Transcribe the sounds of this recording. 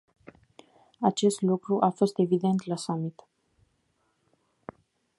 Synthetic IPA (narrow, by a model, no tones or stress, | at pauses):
at͡ʃe̞st̪lukɾuʔafo̞st̪e̞vid̪e̞nt̪lasamit̪